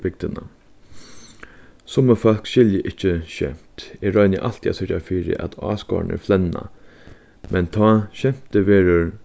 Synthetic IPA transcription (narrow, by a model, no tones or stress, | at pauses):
bɪk̚d̪ɪna̰ | sʊməfœl̥kʃɪljəʔɪht͡ʃːəʃɛ̰m̥t̪ɪɹɔʏnəʔal̥t̪ʰja̰sɪt͡ʃafiːɾɪ̰ʔa̰t̪ʰɑ̰ːskɔ̰ːɹnɪ̰flɛnːa̰ | mʔɛnt̪ʰɔːɕɛm̥t̪əʋeːɾʊɾ